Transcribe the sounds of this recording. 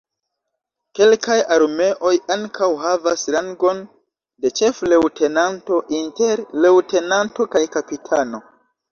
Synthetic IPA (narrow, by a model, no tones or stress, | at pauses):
ke̞lkʰajaɾme̞ʔo̞jaŋkʰawɦavasɾaŋɡo̞n | de̞t͡ʃe̞fle̞wtʰe̞nanto̞ʔinte̞ɾlewte̞nanto̞kajkapitʰano̞